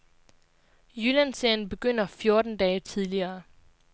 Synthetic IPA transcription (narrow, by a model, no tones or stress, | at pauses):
jylænseɐjn̩b̥e̝ɡ̥øn̰ɐfjo̝ɐd̥n̩d̥ɛːt͡sʰiðˠliɐː